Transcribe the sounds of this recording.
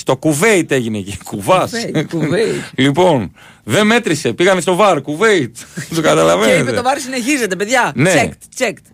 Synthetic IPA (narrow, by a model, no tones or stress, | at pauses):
st̪o̞kuve̞it̪e̞ʝinecekuvɐsveitlipo̞n | ðe̞me̞t̪ɾise̞piɣɐnest̪o̞vɐɾkuve̞it̪t̪okɐt̪ɐlɐvenietpet̪ovɐɾsine̞çize̞t̪epeðʝɐne̞ekt̪t͡ʃekt̪